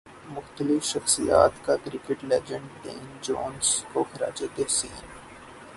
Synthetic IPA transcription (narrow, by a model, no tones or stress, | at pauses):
mʊxt̪əlɪfʃɐxsija̰ːt̪kakɾɪkəʈlɛːd͡ʒə̃ɳʈɖḛ̃ːnd͡ʒoːnskoxɐɾa̰ːt͡ʃed̪esiːn